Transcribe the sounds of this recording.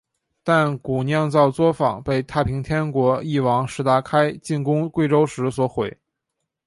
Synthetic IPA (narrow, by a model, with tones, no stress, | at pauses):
t̪a˥˩nku˨˩njɑ˥˧ŋt͡sɑ˥˩ʊt͡swɔ˥fɑ˨˩ŋpe˥˧ɪt̪ʰa˥˩pʰi˧˥ŋt̪ʰjɛ˥nkwɔ˧˥i˥˩wɑ˧˥ŋʂɻ̩˧˥t̪a˧˥kʰa˥ɪt͡ɕi˥˩nkʊ˥ŋkwe˥˩ɪʈ͡ʂo˥ʊʂɻ̩˧˥swɔ˧˥xwe˨˩˦ɪ